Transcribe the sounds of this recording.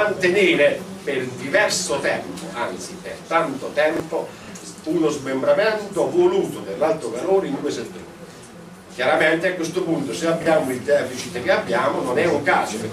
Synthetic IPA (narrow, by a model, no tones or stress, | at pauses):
ant̪eneːɾeperd̪ivɛrsʊt̪ɛmpoant̪sipert̪ant̪ot̪ɛmpo | unozmembɾamɛnt̪ovoluːt̪ʊd̪erlalt̪ɾovaloːɾind̪ueset̪ːɾṵː | kjaɾamɛnt̪eakːwest̪ʊpunt̪ʊseabːjaːmʊild̪ɛːfit͡ʃit̪ek̟eabːjaːmʊnonɛokaːso